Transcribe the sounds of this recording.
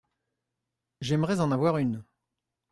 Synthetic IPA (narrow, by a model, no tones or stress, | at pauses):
ʒɛmʁɛzɑ̃navwaʁyn